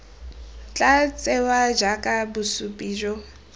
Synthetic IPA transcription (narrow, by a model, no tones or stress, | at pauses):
t͡ɬʼat͡sʼɛwad͡ʒakʼabusupʼiːd͡ʒɔ